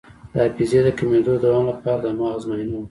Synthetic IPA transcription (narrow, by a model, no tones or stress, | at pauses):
d̪̥əapized̪əkamed̪od̪awɑŋlapɑɾad̪amɑzmajna